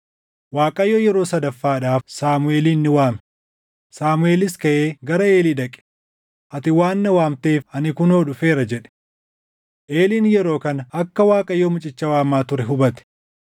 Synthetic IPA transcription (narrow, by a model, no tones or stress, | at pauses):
waːkʼɐjːoːjɛɾo̞ːsɐd̪ɐfːaːᶑaːfsaːmʊe̞ːliːnːɪwaːmɛ̥ | saːmʊeːlɪskɐʔeːɡɐɾɐeːliːᶑ̪ɐkʼɛ̥ | ʔɐt̪ɪwaːnːɐwaːmt̪eːfɐnɪkʊnoːᶑʊfe̞ːɾɐd͡ʒɛᶑɛ̥ | ʔeːliːnjɛɾo̞ːkɐnɐɐkːɐwaːkʼɐjːoːmʊt͡ʃʼɪt͡ʃːɐwaːmaːt̪ʊɾɛɦʊbɐt̪ɛ̥